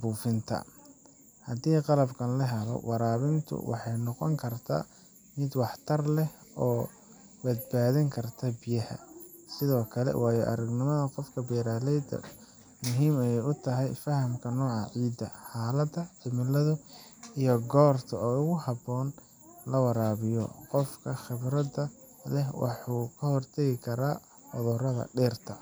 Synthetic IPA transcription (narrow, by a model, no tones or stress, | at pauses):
buːfɪnt̪ʰɐ̰ | hɐd̪iːqɑlɐbkʰɐnlɐɦɛlɔ̰wʔɑɾaːβɪnt̪ʰʊ̰wɑ̰ħɑjnɔqɔŋkʰɐrt̪ʰa̰ː | mɪd̪wɑħt̪ʰɐrlɛɔː | bɐd̪̚baːðɪŋkʰɐrt̪ʰɐbɪjɐhɐ̰ | sɪðɔːkʰɐlɛ̰wɑːjɔ̰ʔɐɾɐɡnɪmɐðɐqɔfkʰɐbɛːɾaːlɛjd̪ɐ̰ | mʊɦiːmɛɛjʊt̪ʰɐɦɛjfɐhɐmkʰɐnɔːʕɑʕiːd̪ɐħaːlɐd̪ɐħɪmɪlɐðʊijɔɡɔːrt̪ʰɐɔːʊɣʊhɑbɔːn | lɐwɑɾaːβɪjɔ̰qɔfkʰɐxɪβɾɐd̪ɐ | lɛhwɑ̰ħuːkʰɐhɔrt̪ʰɐɣɪkʰɐɾaː | fɔðɔːɾɐðɐ̰ɖɛːrt̪ʰɐ